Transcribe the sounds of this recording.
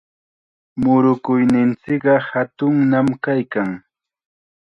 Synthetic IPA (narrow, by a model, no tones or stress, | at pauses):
mʊɾʊkʊjnɪnt͡sɪkɢɑhat̪ʊŋnamkajkaŋ